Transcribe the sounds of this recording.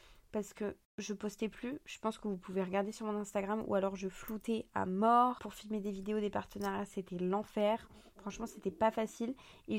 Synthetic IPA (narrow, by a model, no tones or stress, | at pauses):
paʁsə̥kə | ʒəpɔst̪ɛplyʒ̥əpɑ̃skəvupʰuveʁəɡaʁd̪esyʁmɔ̃nɛ̃st̪aɡʁamṵalɔʁʒəflut̪ɛa̰mɔʁpuʁfilmed̪evid̪eod̪epaʁt̪ənaʁjaset̪ɛlɑ̃fɛʁ | fχɑ̃ʃmɑ̃set̪ɛpafasile